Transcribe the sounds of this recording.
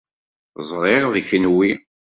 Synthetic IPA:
zˤɾˤeʁðiçnwi

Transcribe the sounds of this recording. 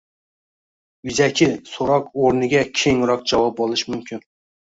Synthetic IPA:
jyzɛkʲʰɪsoɾɑqoɾnɨɡʲɛkʲʰeŋɾɑq̚d͡ʒɑwɑp̚bolˠɨʃmymkʲʰin

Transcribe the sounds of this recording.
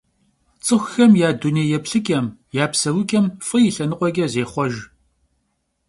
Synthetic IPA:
t͡sʼɨxʷxɐmjaːduneːjɛpɬɨkʼɐmjaːpsɐwʊkʲʼɐmfɨjɪɬɐnɨqʷʼɔɡʲʼɐzeːχʷɔʒ

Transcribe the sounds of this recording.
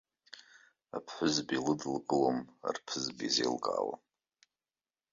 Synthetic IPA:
apʰħʷʊzbilɨdlkʼɨloma̰rpʰɨzbizelkʼa̰ːwa̰

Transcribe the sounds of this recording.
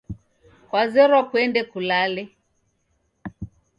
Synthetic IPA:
kwazɛɾɔkuɛndɛkulalɛ

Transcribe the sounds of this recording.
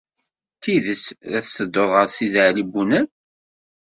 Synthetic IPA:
θiðəsðæθsəd̪ːoðˤʁəɾsiðəʕlibunæn

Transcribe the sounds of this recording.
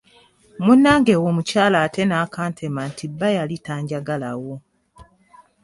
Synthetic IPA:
munːaːŋɡe̞wo̞mucaːlaːte̞naːkaːntʰemantibːajalitaːɲɟaɡalawo

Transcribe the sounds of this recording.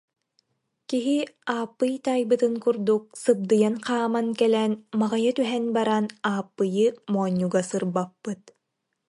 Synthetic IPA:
kiɦiaːpːɯjt̪ajbɯt̪ɯŋkuɾd̪uk̚sɯb̚d̪ɯjanqaːmankɛlɛnmaʁajat̪yɦɛnbaɾanaːpːɯjɯmɔːɲʲːuɡasɯɾbapːɯt̪̚

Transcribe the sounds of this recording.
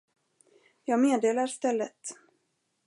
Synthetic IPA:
jɑːɡmeːd̪eːlaɾst̪ɛlːət̪

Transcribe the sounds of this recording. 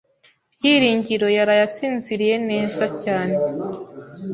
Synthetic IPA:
bjiːɾiːɲɟiɾo̞jaɾajasiːnziɾije̞ne̞ːzacaːne̞

